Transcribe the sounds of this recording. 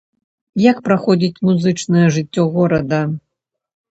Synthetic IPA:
jakpɾaxɔdʲit͡sʲmuzɨt͡ʂnɐjɛʐɨtʲːɔɣɔɾɐd̪ɐ

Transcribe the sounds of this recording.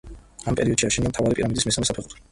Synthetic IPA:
ampʼɛɾiɔd̪ʃiaʃʰiɛniamt̪ʰavaɾipʼiɾamid̪ismisamɛsapʰɛχut̪ʰ

